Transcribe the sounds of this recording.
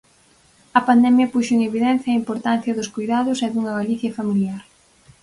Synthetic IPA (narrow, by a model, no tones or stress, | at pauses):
ɐpand̪ɛmjɐpuʃoeŋeβiðɛn̟θjɐːimpoɾt̪an̟θjɐðʊskujðaðʊseðuŋɐɣaliθjɐfamiljaɾ